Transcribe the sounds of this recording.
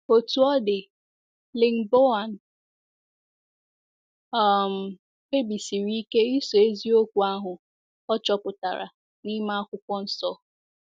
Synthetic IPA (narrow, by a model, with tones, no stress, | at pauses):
o˨tu˨ɔ˦dɪ˨ | lɪ˨ŋ̩˨bo˦a˨n̩˨ | a˨m̩˨ | e˦bi˨si˨ɾi˦ke˦i˦so˨e˦zi˦o˦kʷu˨a˦ɦʊ˨ | ɔ˦t͡ʃɔ˦pʊ˨ta̰˨ɾa̰˨ | ni˦ma˦a˦kʷʊ˦kʷɔ˦n̩˦sɔ˦